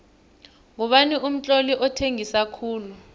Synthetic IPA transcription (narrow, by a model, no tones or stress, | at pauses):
ŋuɓaniʔum̩t͡ɬʼoliʔɔtʰeŋisakʰuːlu